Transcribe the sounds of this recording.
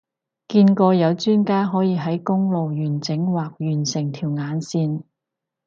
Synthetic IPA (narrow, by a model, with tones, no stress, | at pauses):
kiː˧nkɔː˧jɐ˨˧wt͡ʃyː˥nkaː˥ɦɔː˨˥jiː˨˧ɦɐ˨˥jkʊ˥ŋlo˨wjyː˨˩nt͡sɪ˨˥ŋwaː˨k̚jyː˨˩nsɪ˨˩ŋt̪ʰiː˨˩wŋaː˨˧nsiː˧n